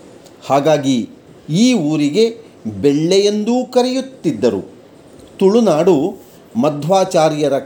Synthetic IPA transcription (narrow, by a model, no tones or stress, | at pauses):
haːɡaːɡi | iːuːɾiɡe̞ | bɛɭːejend̪uːkɐɾejut̪ːid̪ːɐɾṵ | t̪uɭunaːɽu | mɐd̪ʱʋaːt͡ʃaːɾjɐɾɐ